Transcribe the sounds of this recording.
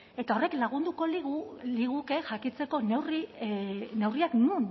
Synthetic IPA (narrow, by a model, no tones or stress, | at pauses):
e̞t̪ao̞re̞klaɣ̞und̪uko̞liɣliɣuke̞ʝakit͡se̞ko̞neri | ne̞wriaknun